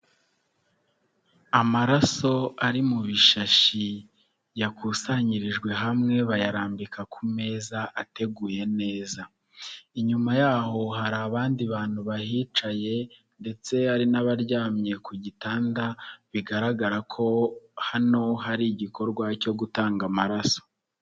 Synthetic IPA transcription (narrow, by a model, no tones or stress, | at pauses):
amaɾaso̞aɾimuβiʃaʃi | jakusaɲiɾiʒɡwe̞ɦamŋe̞βajaɾaːmbikakʰume̞ːzaʔate̞ɡuːje̞ne̞ːza | iɲumajaːho̞ɦaɾaːβaːndiβaːn̥huβaɦiːt͡ʃaje̞ | nde̞t͡se̞aɾinaβaɾɟaːmɲe̞kuɟitaːndaβiɡaɾaɡaɾakʰo̞hano̞ɦaɾiɟiko̞ɾɡwaco̞ɡutaːŋɡamaɾaso̞̥